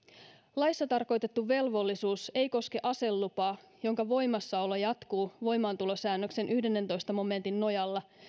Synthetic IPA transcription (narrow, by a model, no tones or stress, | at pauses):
lɑjsːɑt̪ɑrko̞jt̪e̞t̪ːuʋe̞lʋo̞lːisuːse̞jko̞ske̞ʔɑse̞lːupɑː | jo̞ŋkɑʋo̞jmɑsːɑolɑjɑt̪kuːʋo̞jmɑːnt̪ulo̞sæːnːøkse̞nʔyhde̞nːent̪o̞jst̪ɑmo̞me̞nt̪inːo̞jɑlːɑ